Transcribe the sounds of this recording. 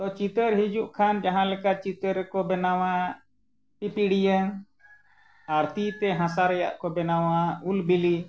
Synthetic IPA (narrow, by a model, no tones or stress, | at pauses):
t̪ɔt͡ʃit̪əɾɦid͡ʒuʔkʰand͡ʒaɦãlɛkat͡ʃit̪əɾkɔbɛnawa | pipiɽijəŋ | aɾt̪it̪ɛɦãsaɾɛja̰ʔkɔbɛnawaulbili